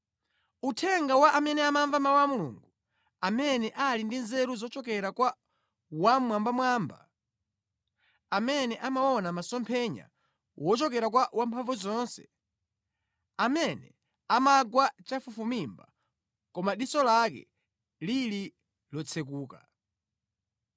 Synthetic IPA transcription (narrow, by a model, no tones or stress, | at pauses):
utʰɛŋɡawaʔamɛnɛamaɱvamawamulṵŋɡu | amɛnɛʔalindinzɛɾuzɔt͡ʃɔkɛɾakwa | wamwambamwaːmba̰ | amɛnɛʔamawɔnamasɔmpʰɛɲa̰ | wɔt͡ʃɔk̬ɛɾak̬wawampʰaɱvuzɔnsɛ̰̥ | amɛnɛ | amaɡwat͡ʃafufumimba | kɔmaɗisɔlakɛ̰ | lili | lɔt͡sʰɛkuːka